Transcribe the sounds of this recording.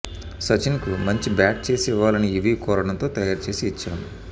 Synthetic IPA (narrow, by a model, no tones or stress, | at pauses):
sɐt͡ʃinkumɐɲt͡ʃibaːʈ̚t͡ʃe̞ːsiʋːaːlɐniːʋiːkɔːɾɐɽɐnt̪o̞ːt̪ɐjaːɾt͡ʃe̞ːsiːt͡ʃːaːmu